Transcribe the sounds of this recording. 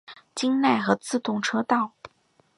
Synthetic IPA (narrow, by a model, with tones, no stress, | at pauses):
t͡ɕi˥ŋna˥˩ɪxɤ˧˥t͡sɹ̩˥˧t̪ʊ˥˩ŋʈ͡ʂʰɤ˥t̪ɑ˥˩ʊ